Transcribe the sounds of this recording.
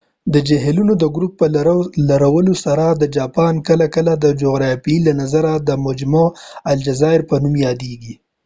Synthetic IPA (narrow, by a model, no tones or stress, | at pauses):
d̪əd͡ʒaɦelunod̪əɡɾupːəllaɾawəlosaɾad̪əd͡ʒɑpɑnkəlakəlad̪əd͡ʒoɣɾɑfilanazaɾad̪əmʊd͡ʒmaald͡ʒazɑɪɾpənumjɑd̪eɡi